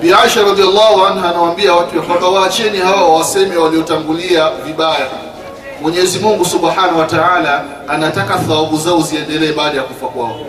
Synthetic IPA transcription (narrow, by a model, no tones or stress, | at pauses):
biaʃaɾɑd̪ialːahuanɦanawambiawatujakakawat͡ʃɛnihawawasɛmɛwaliɔtaŋɡuliaviɓaja | mwɛɲɛzimuŋɡusuɓħanawataʕaːlaː | natakaθawaɓuzauziɛndɛlɛɛɓaːɗajakufakwaɔ